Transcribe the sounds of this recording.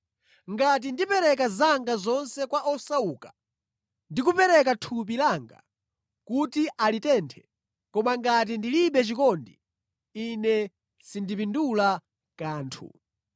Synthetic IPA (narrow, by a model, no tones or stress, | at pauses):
ŋɡat̬indipɛɾɛk̬azaŋɡazɔnsɛkwaʔɔsauːkḁ | ndikupɛɾɛk̬atʰup̬ilaŋɡa̰ | kutiʔalitɛntʰɛ̥ | kɔmaŋɡat̬indiliɓɛt͡ʃikɔndi | inɛ | sindipindula | kaːntʰṵ